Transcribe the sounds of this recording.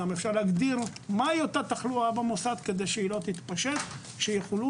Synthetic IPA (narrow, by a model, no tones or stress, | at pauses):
amefʃaʁlaɡd̪iʁmaiot̪at̪aχluabamosad̪ked̪ejʃeilo̞t̪it̪paʃet̪ | ʃejeχolu